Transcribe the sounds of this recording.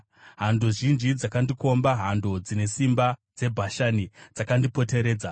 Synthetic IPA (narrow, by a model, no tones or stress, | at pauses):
ɦando̞ʒind͡ʒid͡zakandiko̞mbaɦando̞d͡zine̞simbad͡ze̞bʱaʃanid͡zakandipo̞te̞ɾe̞ːd͡za